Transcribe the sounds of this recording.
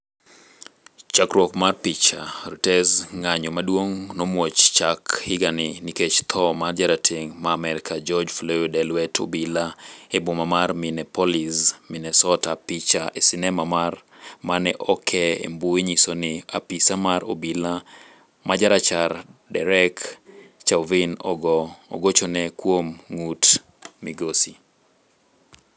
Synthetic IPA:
t͡ʃakɾwɔkmarpit͡ʃaɾotɛsŋaɲɔmadwoŋnɔmwot͡ʃt͡ʃakhɪɡanɪniket͡ʃt̪ʰɔmard͡ʒaɾatʰeŋmaːmɛɾɪkʰad͡ʒɔd͡ʒflojodɛlwɛtʰo̰bilaebomamarminɛpɔlisminɛsɔtapit͡ʃaʔesɪnɛmamarmanɛʔɔkʰɛḛmbueɲisonɪapisamaɾo̰bila | mad͡ʒaɾat͡ʃaɾdɛɾɛkt͡ʃavin | o̰ɡot͡ʃɔnɛkwomŋut | miɡosi

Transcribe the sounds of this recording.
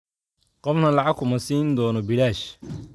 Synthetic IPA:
qɔfnɐlɑʕɑɡkʰʊmɐsiːnd̪ɔːnɔbɪlaːʃ

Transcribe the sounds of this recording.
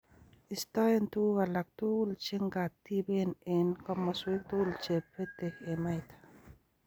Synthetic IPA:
ist̪ajent̪uːɣalak̚t̪ult͡ʃeŋɡat̪ːibenenkɔmːɔswek̚t̪uːlt͡ʃepːet̪ekemajt̪ḁ

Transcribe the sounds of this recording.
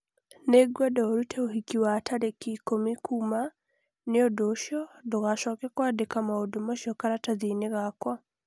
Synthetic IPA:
neɡwadɔoɾutʰeoɦikiwatʰaɾekikomikʰuma | neodoʃjɔdoɣaʃɔːkɛkwaːdekamaodumoʃokaɾataðiːneɣakwa

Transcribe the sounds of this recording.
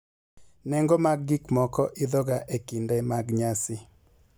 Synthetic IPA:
nɛŋɡɔmaɡːikmɔkɔʔɪd̪ɔɡaʔekindɛmaɡɲasɪ

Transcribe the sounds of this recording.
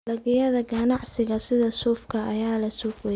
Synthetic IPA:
lɐɣɪjɐðɐɡɐnɑʕsɪɣɐsɪðɐsuːfkʰɐʔɐjaːlɐsuːfwɛ

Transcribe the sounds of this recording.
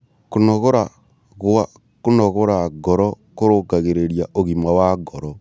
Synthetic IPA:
kunoɣoɾa | ɣa | kunoɣoɾaɡɔɾɔ | koɾokaɣeɾeɾjaʔoɣimawaɡoɾɔ

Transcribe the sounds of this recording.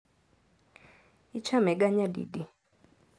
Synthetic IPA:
it͡ʃʰamɛk̬aɲadḭdi

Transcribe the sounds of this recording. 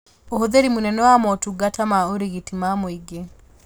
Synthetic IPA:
oɦoðeɾimunɛnɔwamɔtuɡatamaoɾeɣitimamwiɡe

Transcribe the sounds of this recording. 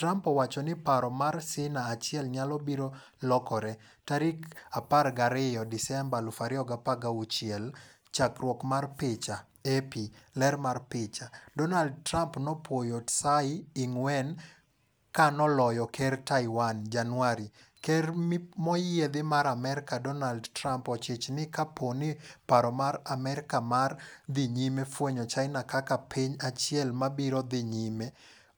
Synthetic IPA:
tɾampɔwat͡ʃɔnɪpaɾɔmarsɪnaːt͡ʃɪɛlɲalɔbiɾo | lɔkɔɾɛ | taɾikaparɡaɾɪjɔdɪsɛmbalʊfaɾɪɔɡapaɡaut͡ʃɪɛl | t͡ʃakɾwɔkmarpɪt͡ʃa | epilɛrmarpɪt͡ʃadɔnald̚tɾampnɔpwojotsaɪɪŋwɛn | kanɔlɔjɔkʰɛrtaɪwand͡ʒanwaɾi | kɛrmɔjɪed̪ɪmaɾamɛɾɪkadɔnaldtɾampɔt͡ʃɪt͡ʃnɪkaponɪpaɾɔmaɾamɛɾɪkamard̪ɪɲimefwoɲɔt͡ʃaɪnakakapʰiɲat͡ʃjɛlmabiɾɔd̪ɪɲime

